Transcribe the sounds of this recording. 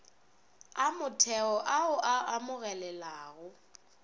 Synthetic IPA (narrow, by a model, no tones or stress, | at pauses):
amʊtʰɛɔʔaʊʔaʔamʊɣɛlɛlaːɣʊ